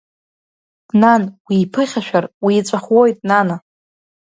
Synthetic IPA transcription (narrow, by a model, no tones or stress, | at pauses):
nanwiːpʰɨχʲaʃᶣarwiːt͡sʷʼaχwojtʼnana